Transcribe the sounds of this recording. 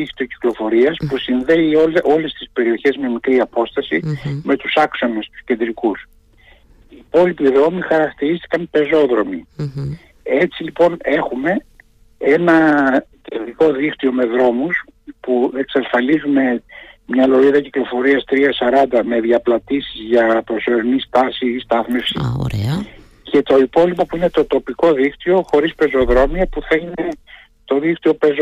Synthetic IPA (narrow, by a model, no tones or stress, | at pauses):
ixt̪io̞ci̥klo̞fo̞ɾiɐspusinðe̞ioʔo̞le̞st̪ispe̞ɾio̞çe̞zme̞mikɾiɐpo̞st̪ɐsime̞t̪usɐkso̞nest̪u̥sce̞nd̪ɾikus | iːpo̞lipiðɾo̞mixɐɾɐkt̪iɾist̪i̥kɐmpe̞zo̞ðɾo̞mi | e̞t͡silipo̞ne̞xume̞ | e̞nɐce̞nd̪ɾiko̞ðixt̪io̞me̞ðɾo̞mus | pueksɐsfɐlizume̞mɲɐlo̞ɾiðɐciklo̞fo̞ɾiɐst̪ɾiɐsɐɾɐnd̪ɐme̞ðʝɐplɐt̪isizʝɐpɾo̞so̞ɾinist̪ɐsist̪ɐθme̞fsḭo̰ɾ | ce̞t̪o̞ipo̞lipo̞puine̞t̪o̞t̪o̞piko̞ðixt̪io̞xo̞ɾispe̞zo̞ðɾo̞miɐpuθɐine̞ | t̪o̞ðixt̪io̞pe̞zo